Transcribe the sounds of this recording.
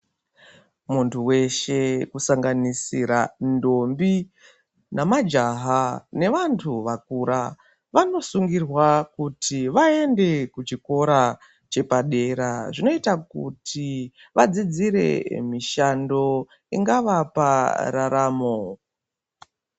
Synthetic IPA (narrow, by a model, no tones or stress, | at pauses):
muntʰuwe̞ʃe̞kusaŋɡanisiɾando̞mbi | namad͡ʒaɦane̞ʋantʰuʋakuɾa | ʋano̞suŋɡirwakutʰiʋaende̞kut͡ʃiko̞ɾa | t͡ʃe̞paɗe̞ɾaʐino̞itakṵtʰi | ʋad͡zid͡ziɾe̞̰miʃando̞ | ḭŋɡaʋapa̰ɾaɾaːmo